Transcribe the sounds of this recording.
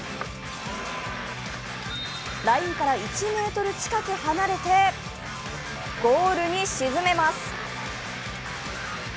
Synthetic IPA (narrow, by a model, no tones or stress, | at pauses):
ɾaĩŋkaɾait͡ɕime̞ːt̪o̞ɾɯ̟t͡ɕi̥kakɯ̟hanaɾe̞t̪e̞ | ɡ̥o̞ːɾɯ̟ɲ̟iɕizɨme̞masɨ̥